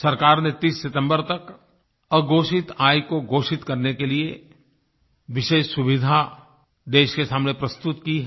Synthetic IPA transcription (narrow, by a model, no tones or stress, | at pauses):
sɐɾkaːɾnet̪iːsːɪt̪ə̃mbəɾt̪ɐk | əɡoːʃɪt̪aːjkoɡoːʃɪt̪kɐɾnekelie | ʋɪʃeːʃsʊʋɪd̪ʱa | d̪eːʃkesaːmnepɾɐst̪ʊt̪kiɦɛ